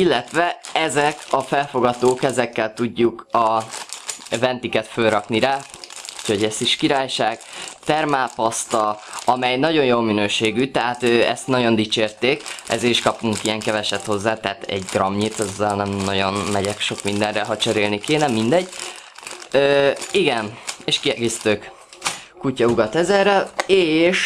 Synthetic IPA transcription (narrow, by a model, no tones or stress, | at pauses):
ilːɛt̪ʋɛɛzɛkɒfɛlfo̞ɡɒt̪oːkɛzɛkːɛlt̪uɟːukɒ | vɛnt̪ikɛt̪fø̞lɾɒkniɾaː | uchoɟɛst̪iʃkiɾaːjʃaːɡ̥t̪ɛrmaːpɒst̪ɒɒmɛjnɒɟo̞njoːlminøːʃeːɡyt̪ɛɦaːt̪øːɛ̰st̪nɒɟo̞nd̪it͡ʃeːrt̪eːkʔɛ̰zeːɾiʃkɒpuŋkijɛŋkɛvɛʃɛt̪ho̞zːaːt̪ɛɦaːt̪ɛ̰ɟɡrɒmɲit̪ɛzːɛlnɛmnɒɟo̞nmɛɟɛkʃo̞kmind̪ɛnrɛɦɒt͡ʃɛɾeːlnikeːnɛmind̪ɛɟː | øːiɡɛneːʃkiɛɡeːst̪øːk | kucɒuɡɒt̪ɛzɛrɛleːʃ